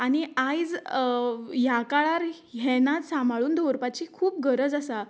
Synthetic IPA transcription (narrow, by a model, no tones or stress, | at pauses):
aniajd͡z | jakaɭaɾ | ɦɛnat̪sambʱaɭuːnd̪oɾpat͡ɕiːkʰuːp̚ɡəɾəd͡zasa